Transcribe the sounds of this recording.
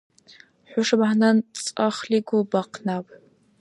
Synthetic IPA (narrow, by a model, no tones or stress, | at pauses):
ħʷʊʂɨbʕanant͡sʼaχliɡʷʊlbaqʰnapʼ